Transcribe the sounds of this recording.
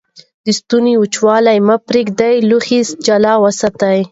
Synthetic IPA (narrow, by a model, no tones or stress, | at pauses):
d̪əst̪uniut͡ʃwɑlajmapɾeɡd̪ajluxisd͡ʒalɑwasat̪aj